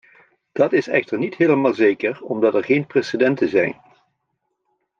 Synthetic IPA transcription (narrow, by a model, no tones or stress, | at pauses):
d̥ɑtɪsɛχtəɹnitɦeːləmaːlˠzejkəɹɔmdɑtɛɹχejnpresedɛntəzɛ̰jn